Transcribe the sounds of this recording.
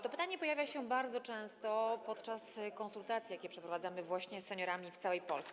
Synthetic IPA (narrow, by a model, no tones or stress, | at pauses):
t̪ɔpɘt̪aɲɛpɔjavʲjaɕɛbaɾd̪zɔt͡ʂɛ̃w̃st̪ɔpɔt̪t͡ʂaskɔñsult̪at̪sʲjakʲɛpʂɛpɾɔvad̪zamɘvwaɕɲɛsːɛɲɔɾamʲift̪sawɛjpɔ̰lsɛ